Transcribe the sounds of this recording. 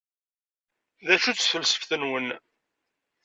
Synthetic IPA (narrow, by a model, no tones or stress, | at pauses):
ðæʃut͡sːθəlːsə̥fθənwən